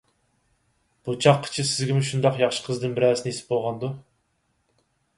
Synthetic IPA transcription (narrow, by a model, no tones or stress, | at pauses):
b̥ut͡ʃʰɑqʰːə̥t͡ʃʰisɪzɡʲɪmɪʃund̪ɑqjɑχʃə̥qʰəzd̪ɨnbɪɾɛːsɪnesɪ̥p̚bolˠʁɑnd̪u